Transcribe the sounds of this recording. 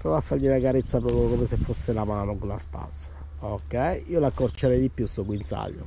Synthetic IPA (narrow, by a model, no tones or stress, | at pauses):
pɾɔvoafːaɾʎːinakaɾet̪sːapɾɔːpɾjokomesefːosːelamaːnokolːaspa̰ːsḁ | okːɛjiːolakːort͡ʃeɾɛjd̪ipːjusːɔɡwinsa̰ʎːo̰